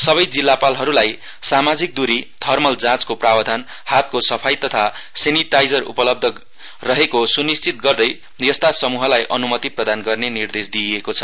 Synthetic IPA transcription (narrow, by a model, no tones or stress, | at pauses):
sʌβʌjd͡zilːapalɦʌɾulaj | samad͡zik̚d̪uɾit̪ʰʌrmʌld͡zãt͡skoprawʌd̪ʱan | hat̪̚kosʌpʰajt̪ʌt̪ʰa | seniʈajd͡zʌrṵpʌlʌb̚d̪ʱʌ | rʌɦekosunist͡sit̪̚ɡʌrd̪ʌj | jʌst̪asʌmuɦʌlajʔʌnumʌt̪iprʌd̪anɡʌrnenird̪esd̪iekot͡sʰʌ